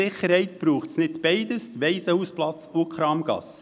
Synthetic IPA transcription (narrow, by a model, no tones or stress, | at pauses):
ɪχəɾhɛɪt̚b̥ɾuːχtsnɪtb̥ɛɪdəsʋɛɪsəhuːsplɑt͡sʊkχɾɑːmɡ̥ɑ̰s